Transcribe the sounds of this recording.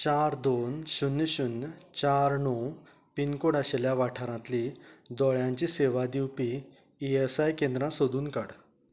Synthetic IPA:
t͡ɕaɾd̪onɕunːəɕunːt͡ɕaɾnɔ | pinkoɽaɕeljaʋaʈʰaɾãt̪lid̪ɔɭjãɲt͡ɕiseʋad̪iwpiː | esajkẽnd̪ɾãsod̪uːnkaɽ

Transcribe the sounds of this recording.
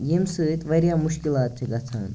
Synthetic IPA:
jimsɨt̪ʋəɾjamuɕkilat̪̚t͡ɕeɡat͡sʰa̰n

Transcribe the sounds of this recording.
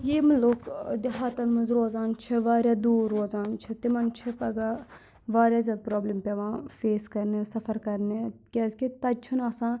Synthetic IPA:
jeːmɐlokd̪iɦaːt̪ɐnmɐnzɾoːzaːnt͡ʃʰɐʋaːɾʲjaːd̪uːɾːoːzaːnt͡ʃʰɐt̪imɐnt͡ʃʰipɐɡaː | ʋaːɾjaːzʲɐd̪̚pɾoːbleːmpeʋãːfeːskɐɾnesɐfɐɾkɐɾnekʲɛzkit̪ɐt͡ʃʰunaːsãː

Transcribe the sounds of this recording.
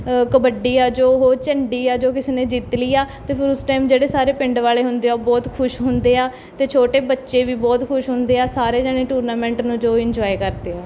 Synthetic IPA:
kəbəɖiːaːd͡ʒoːɦoːɾt͡ʃəɳɖiːaːd͡ʒoːkɪseːnẽːd͡ʒiːt̪liːaːt̪eːpʰɪɾʊsʈaːimd͡ʒeːɽeːsaːɾeːpɪɳɖʋaːleːɦʊnd̪eːaːbɔːt̪kʰʊʃɦʊnd̪eːaː | t̪eːt͡ʃʰoːʈeːbətːʃeːʋiːbɔːt̪kʰʊʃɦʊ̃nd̪eːaːsaːɾeːd͡ʒɛːɽeːʈuːɾnaːmɛ̃ːɳʈnũːd͡ʒoːɪ̃ɲd͡ʒɔːikəɾd̪eːaː

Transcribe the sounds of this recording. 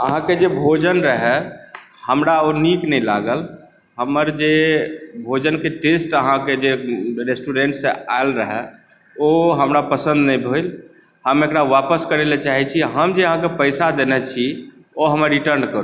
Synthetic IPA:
əɦãked͡ʒebʱod͡ʒənɾəɦɛ | həmɾaoniknɛjla̰ɡəl | ɦəməɾd͡ʒebʱod͡ʒənkeʈesʈəɦãked͡ʒeɾesʈuɾẽɳʈsẽa̰lɾəɦɛ | oɦəmɾapəsə̃nd̪nɛjbʱojl | həmekɾaʋapəskəɾelet͡ʃaɦit͡ʃʰiɦəmd͡ʒeəɦãkepəjsad̪enɛt͡ʃʰi | oɦəməɾːiʈəɾnkəɾu

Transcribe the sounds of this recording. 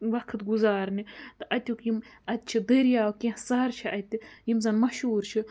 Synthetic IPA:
ʋɐkʰt̪ɡuzaːɾnit̪ɨʔɐt̪ʲukjimɐt̪̚ʲt͡ʃʰid̪ɐɾjaːwkʲĩhsɐɾt͡ʃʰiʔɐt̪ʲijimzɐnmɐʃuːɾt͡ʃʰi

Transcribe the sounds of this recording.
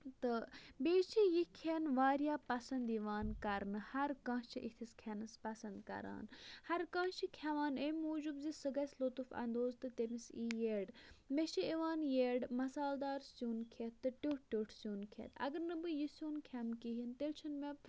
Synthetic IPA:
t̪ɨbeːt͡ʃʰijikʰeːnʋaːɾjaːpɐsɐnd̪iʋaːnkɐɾnɨhɐɾkãːt͡ʃʰiʔit̪ʰiskʰenɐspɐsɐnd̪kɐ̰ɾa̰ːnhɐɾkãːt͡ʃʰikʰeʋaːnemʲoːd͡ʒubzisɨɡɐsʲlot̪ufɐ̰nd̪oːzt̪ɨt̪emisiːjeːɖmeʃiiʋaːnjeːɖmɐsaːld̪aːɾsjuːnkʰet̪ːɨʈʲuːʈ̚ʰʈʲoːʈʰsuːnkʰḛːt̪ʰɐ̰ɡɐɾnɨbɨjisʲjuːnkʰemkiɦint̪elt͡ʃʰɐnmeb̪

